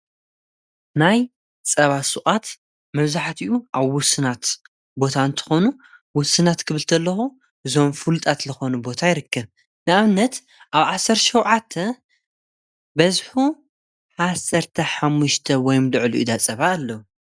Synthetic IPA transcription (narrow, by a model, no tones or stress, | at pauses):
naj | t͡sʼɐβasuʔʼat̪ | mɐβzaħt̪iʔuʔaβwʊsɨnat̪ | bo̞t̪ʰant̪ʰɨ̥xo̞nu | wʊsɨnat̪kʰɨβɨlt̪ʰɐlːɐxu | ɨzo̞mfɨlut̪ʼat̪lɨxo̞nubo̞t̪ʰajɪɾɨkːɐβ | nɨaβnɐt̪ | ʔaβʕasɐɾʃɐwʕat̪ʰːɐ | bɐzħu | ħasɐɾt̪ʰɐħamːuʃt̪ʰɐwɔjmlɨʕluʔṵd̪at͡sʼɐβaːlːɐwu